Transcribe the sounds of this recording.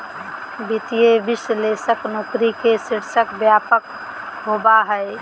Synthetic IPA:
bit̪ijebisəlesəknokɾikesiɾsəkbjapək̚ | ɦobaɦəj

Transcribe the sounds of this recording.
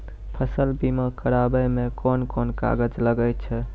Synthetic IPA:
pʰəsəlbimakəɾabəmẽkɔnkɔnka̰ɡəd͡ʒləɡəj̪t͡ʃʰɛ

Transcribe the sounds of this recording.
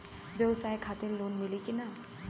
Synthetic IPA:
ʋjəwsajkʰat̪iɾlonmilikina

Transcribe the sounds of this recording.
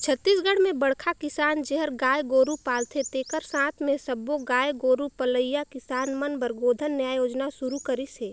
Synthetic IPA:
t͡ʃʰət̪ːiːsɡəɽ̤mẽbəɽkʰakɪsaːnd͡ʒeɦəɾɡaːjɡoːɾupaːlt̪ʰet̪eːkəɾsãːt̪ʰmẽsəbːoɡaːjɡoːɾupələjakɪsaːnmənbəɾɡoːd̪ʱənːəjajoːd͡ʒnasuɾukəɾise

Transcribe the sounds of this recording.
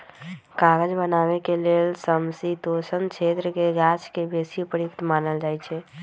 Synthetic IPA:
kaɡəd͡ʒbənaβekelelsəmsit̪osənt͡ʃʰet̪ɾəkeɡat͡ʃkebesipəɾjikt̪manəld͡ʒajt͡ʃʰɛ

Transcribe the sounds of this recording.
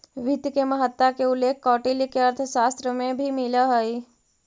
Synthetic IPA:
ʋit̪keməɦət̪ːwakeʊlːeːkʰkɔːʈelikeɐɾt̪ʰəʃaːst̪ɾəmẽbʱimɪlaɦəi

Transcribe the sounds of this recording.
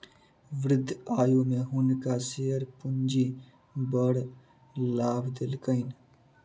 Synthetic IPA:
ʋɾɪd̪ʱːaːjumẽɦʊnkaseːəɾpʊnd͡ʒi | bəɽ | laːbd̪ɪlkəɪn

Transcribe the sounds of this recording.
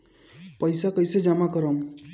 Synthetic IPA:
pʌjsakʌjsed͡ʒamakʌɾɔm

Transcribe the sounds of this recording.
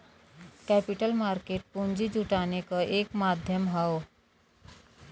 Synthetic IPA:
kɛpiʈəlmaɾkeʈ̚pund͡ʒid͡ʒuʈanekʌʔekmad̪ʱjəmɦəw

